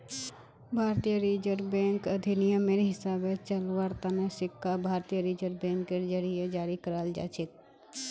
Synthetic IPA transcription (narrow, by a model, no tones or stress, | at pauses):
bʱaːɾt̪ijəɾiːd͡ʒəɾbɛ̃ːŋkəd̪ʱinijəmeːɾiɦɪsaːbet͡ʃəlwaɾt̪anesɪkʰːabʱaːɾt̪ijəɾiːd͡ʒəɾbɛ̃ːŋkːed͡ʒəɾijed͡ʒaːɾikəɾald͡ʒa̰ːt͡ʃʰɪt̪̚